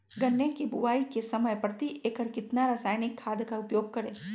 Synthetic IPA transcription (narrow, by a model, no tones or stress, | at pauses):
ɡɐnːekebʊʋaːikesɐməjpɾɐt̪iʔeːkəɾkɪt̪naɾaːsaːɪjnɪkʰːaːd̪kaʊpjoːɡ̚kɐɾeː